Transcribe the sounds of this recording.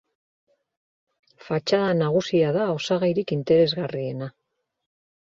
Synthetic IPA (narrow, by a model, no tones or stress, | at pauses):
fat͡ʃaðanaɣ̞usiaðao̞saɣajɾikint̪e̞ɾe̞zɣarie̞na